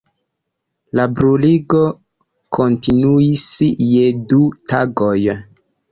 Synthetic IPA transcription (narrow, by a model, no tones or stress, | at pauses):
labɾuliɡo | kʰontinuisjedutaɡoj